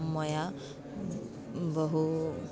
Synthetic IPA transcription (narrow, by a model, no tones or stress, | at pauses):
mʌja | bʌɦu